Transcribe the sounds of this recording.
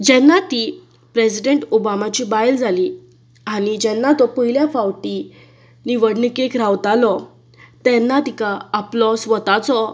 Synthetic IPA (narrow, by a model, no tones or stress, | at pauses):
d͡ʑɛnːat̪i | pɾesiɖeɳʈobamat͡ɕibajld͡zʱali | aɽ̃id͡ʑɛnːat̪ɔpəɦiljafawʈi | niʋəɽnəkekɾaʋt̪alɔ | t̪ɛnːat̪ikaəplɔsʋət̪at͡sɔ